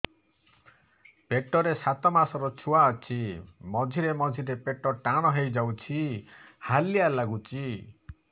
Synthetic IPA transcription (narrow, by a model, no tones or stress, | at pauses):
peʈɔɾesat̪ɔmasɔɾɔt͡ʃʰuaːt͡ʃʰimɔd͡ʒʱiɾemɔd͡ʒʱiɾepeʈɔʈaɽ̃ɔɦejd͡ʒawt͡ʃʰihalijalaɡut͡ʃʰi